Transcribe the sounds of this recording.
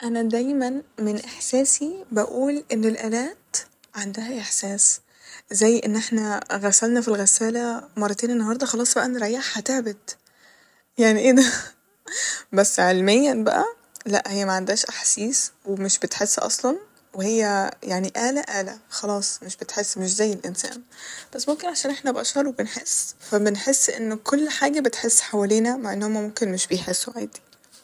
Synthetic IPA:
ʔænæd̪æjmænmenʔeħsæːsibæʔuːlʔenːelʔæːlæːt̪ | ʕand̪æhæʔeħsæːs | zæjːʔenːʔeħnæɣæsælnæfilɣæsæːlæmɑrˤːɑt̪eːnenːɑhɑɾˤd̪ˤɑxɑlɑːsˤbæʔæʔnːɾˤæʔjaħhæt̪eʕbed̪ | jaʕniʔed̪æ | bæsːʕelmejːænbæ̰ʔæ̰ | læ̰ʔhejːæmæʕand̪æːʃʔaħsiːswemeʃbet̪ħesːʔɑ̰sˤlɑn | wehejːæjaʕniʔæːlæʔæːlæ̰xɑlɑːsˤmeʃbet̪ħesːmeʃ̬zæjːelʔensæ̰ːnb̥æsːmomkenʕaʃæːnʔeħnæbeʔɑʃhɑɾˤwebenħesːfæbenħesːʔenːkolːħaːɡæbet̪ħesːħawæleːnæmaʕʔenːhomːæmomkenmeʃbejħesːweʕaːd̪i̥

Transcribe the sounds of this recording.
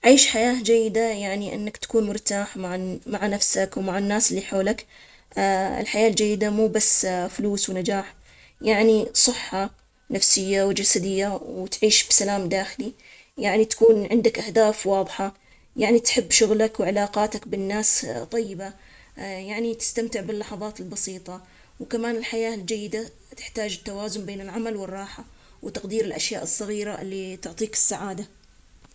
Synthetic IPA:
ʕiːʃħajaːd͡ʒajːɪd̪ajaʕniʔɪ̰nːakt̪ḁkuːnmʊɾt̪aːħmaʕmaʕanafsakwmaʕanːaːsɪlːiħoːlakː | ɪ̰lħajaːld͡ʒajːɪd̪amuːbasːfʊluːswnad͡ʒaːħ | jaʕnisˤɨħːɑ | nafsɪjːawd͡ʒasad̪ɪjːawɪt̪ʕiːʃbsalaːmd̪aːxɪli | jaʕnit̪ḁkuːnʕɪnd̪akʔahd̪aːfwɑːðˤħɑ | jaʕnit̪ħɪbːʃʊɣlakwʕɪlaːqɑːt̪akbɪnːaːst̪ˤɑjːɪba | jaʕnit̪ɪ̥st̪amt̪ɪʕbɪlːɑħɑðˤɑːt̪ɪlbɑsiːt̪ˤɑ | wkamaːnɪlħajaːld͡ʒajːɪd̪a | t̪ɪ̥ħt̪aːd͡ʒɪt̪ːawaːzʊmbeːnɪlʕamalwɪrˤːɑːħa | wɪt̪ɑqd̪iːɾɪlʔaʃjaːʔɨsˤːɑɣiːɾaʔɪ̰lːit̪ʊʕt̪ˤiːkɪ̥sːaʕaːd̪a

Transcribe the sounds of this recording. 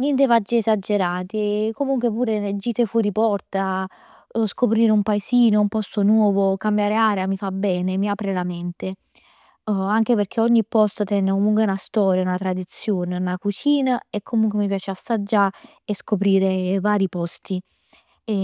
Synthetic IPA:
nɛnt̪̬evad͡ʒːiesad͡ʒːeɾaːt̪ikːomuŋkwepuːɾened͡ʒːiːt̪efuɾipɔrt̪a | skopɾiːɾeumpaesiːnoumpɔst̪onwɔːvokambjaːɾeaːɾeamifabːɛːnemiaːpɾelament̪e | aŋk̟eperkʰeɔɲːipːɔst̪ot̪ɛnːekomuŋkweunast̪ɔːɾjaunat̪ɾad̪it̪sːjoːneunakut͡ʃiːnaekʰːomuŋkwemip̬jaːt͡ʃeasːad͡ʒːa | eskopɾiːɾevaːɾipɔst̪i

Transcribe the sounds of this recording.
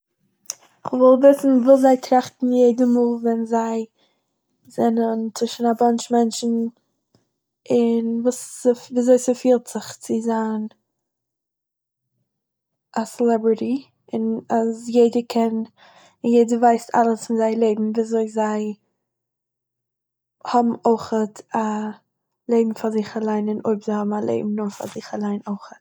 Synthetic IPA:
ɪχvɔlˠvɪsn̩vɪlˠzaɪtʰɾaχtn̩jeɪdəmuːlˠvɛnzaɪ | zɛnənt͡sɪʃn̩abant͡ʃmɛnt͡ʃn̩ | ɪnvuːsviːzoɪsəfiːlˠtz̥ɪχt͡sɪzan | asɛlɛbɹɪɾi | ɪnazjeɪdəkʰɛn | ɪnjeɪdəvaɪstʰa̰lˠəsfɪnzaɪlˠeɪbm̩viːzoɪzaɪ | hɔbm̩oɪχəta | lˠeɪbm̩fazɪχalˠaɪnɪnʔo̰ɪbzaɪhɔbm̩alˠʔḛɪbm̩nʊfa̰zɪχalˠaɪnoɪχət

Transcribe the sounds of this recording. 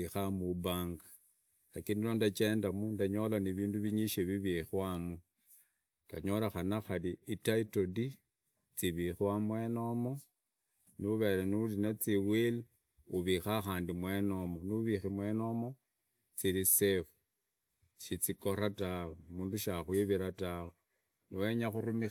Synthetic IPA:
ixamuβaːŋɡa | lakindinondat͡ʃeːndamundaɲo̞laniβiːnduβiɲiʃeβiβixwamu | ɡ̥aɲo̞laxanaxaliitaitodi | t͡siβixwamwe̞no̞mo̞ | niuβeɾenulinat͡siwil | uβixaxaːndimwe̞nomoniuβiximweno̞mo̞ | t͡siɾisefu̥ | ʃit͡siko̞ratawemuːnduʃaxwiβiɾatawe | niwe̞ɲaxurumi

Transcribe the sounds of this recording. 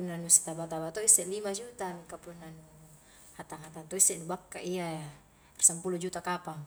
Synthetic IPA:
unːanusi̥t̪abat̪abat̪ɔisɛʔlimad͡ʒut̪akapunːanu | hat̪aŋɦat̪ant̪ɔisɛʔnubakːaʔia | rsampulud͡ʒut̪akapa

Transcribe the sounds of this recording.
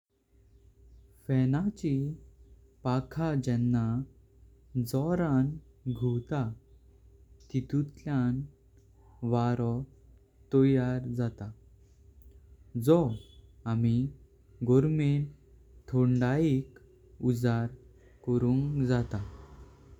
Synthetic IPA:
fɛnat͡ɕi | pakʰad͡ʑɛnːa | d͡zɔɾanɡʱuwt̪a | t̪it̪ut̪ljan | ʋaɾɔ | t̪ɔjaɾd͡zat̪a | d͡zɔami | ɡɔɾmen | t̪ʰɔɳɖaik | ud͡zaɾ | kɔɾũŋkd͡zat̪a

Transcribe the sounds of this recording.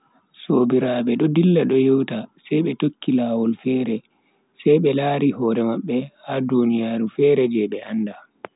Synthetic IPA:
soːbiɾaːbɛɗɔdilːaɗɔjewtasɛjɓɛtokːilaːwɔlfɛːɾɛ | sɛjɓɛlaːɾihɔːɾɛmaɓːɛhadunijaːɾufɛːɾɛd͡ʒɛɓɛʔanːda

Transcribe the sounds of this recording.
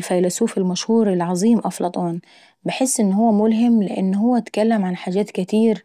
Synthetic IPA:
lfæjlæsuːfɪlmæʃhuːɾɪlʕɑzˤiːmʔɑflɑt̪ˤɑːn | bɪħɪsːʔɪnːhʊwːæmʊlɦɪmːlɪʔɪnːɦʊwːæʔt̪kælːɪmʕanħaːd͡ʒæːt̪kɪt̪iːɾ

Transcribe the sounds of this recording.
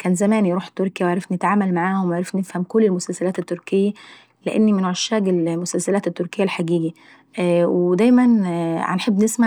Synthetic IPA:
kæːnzæmæːnjɾuːħt̪oɾkjæwʕɾˤɑfnɪt̪ʕaːmælmaʕaːhowwʕɾɑfnefhæmkolːelmʊsælsælæːt̪et̪ːoɾˤkejːæ | leʔḛnːimɪnʕɑʃːæːɡelmʊsælsælæːt̪et̪ːoɾkejːælħaɡiːɡæ | wed̪æjmænʕ̰nħebːnesma

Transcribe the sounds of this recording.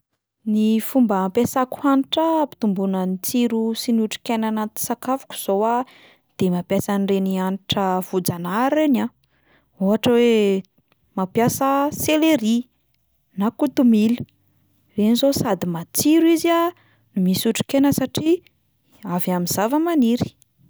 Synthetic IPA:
nifumbəpesaku̥haniʈ͡ʂəpi̥t̪umbunənit͡siɾusinuʈ͡ʂi̥kenanat̪i̥sakafu̥ku̥z̥owa | d̪̥emapjasanrenianʈ͡ʂəv̥ud͡zanaɾena | oɦaʈ͡ʂəwe | mapjasəseleɾi | nakut̪umil | renizosad̪imat͡siɾuiza | numisuʈ͡ʂi̥kenəsaʈ͡ʂi | avjamiz̥avəmaniɾi̥

